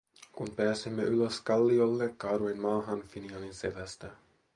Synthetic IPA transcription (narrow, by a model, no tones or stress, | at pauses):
kunpæːsemːe̞yløskɑlːio̞lːekːɑːɾuinmɑːɦɑnfiniɑlinse̞ʋæst̪æ